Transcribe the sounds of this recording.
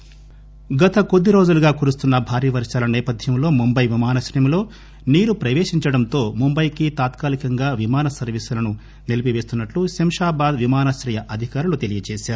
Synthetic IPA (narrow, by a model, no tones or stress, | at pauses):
ɡɐt̪ɐkod̪ːiɾoːd͡ʒuluɡaːkuːɾust̪unːɐbʱaːɾiːʋɐɾʂaːlɐnɛːpɐd̪ʱjɐmlo̞ːmumbɐjʋimaːnɐʃɾɐjɐmlo̞ː | niːɾupɾɐʋeːʂiɲt͡ʃɐɽɐnt̪o̞ːmumbɐjkit̪aːt̪kaːlikɐŋɡaːʋimaːnɐsɐɾʋisulɐnu | nelipiʋe̞ːst̪unːɐʈlusemʂaːbaːd̪ʋimaːnɐʃɾɐjɐʔɐd̪ʱikaːɾulut̪e̞lijɐt͡ʃɛːʃaːɾu